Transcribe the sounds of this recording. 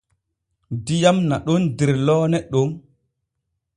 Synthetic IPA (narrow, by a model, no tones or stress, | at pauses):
dijamnaɗɔndiɾlɔːnɛɗoŋ